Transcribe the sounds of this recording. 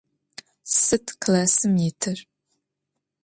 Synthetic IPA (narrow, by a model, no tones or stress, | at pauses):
sɨtʰkʰlaːsɨmjɪtʰɨr